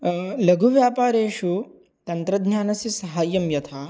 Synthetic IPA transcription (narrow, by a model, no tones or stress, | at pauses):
lɐɡʱuʋjaːpaːɾeːʃu | t̪ɐnt̪ɾɐd̪ʱɲjaːnɐsisɐɦaːjɐmjɐt̪ʰaː